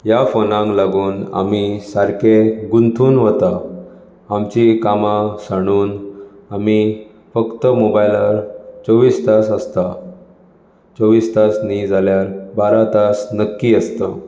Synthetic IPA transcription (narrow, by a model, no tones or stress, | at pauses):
jafonãŋɡlaɡuːna̰misaɾkeɡunt̪ʰuːnʋət̪a | amt͡ɕikamãsaɽ̃uːn | ami | fəkt̪əmobajlaɾt͡soʋiːst̪asəst̪a | t͡soʋiːst̪asnid͡zʱaljaɾbaɾat̪asnəkːiəst̪ə